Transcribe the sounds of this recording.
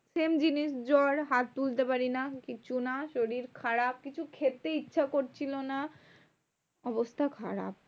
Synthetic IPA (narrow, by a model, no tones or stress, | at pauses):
ʃemd͡ʑiniʃd͡ʑɔɾɦat̪̚t̪ult̪epaɾinakit͡ɕʰunaʃoɾiɾkʰaɾab̚kit͡ɕʰukʰet̪ːeitːɕʰakoɾt͡ɕʰilona | ɔbost̪ʰakʰa̰ɾa̰b̚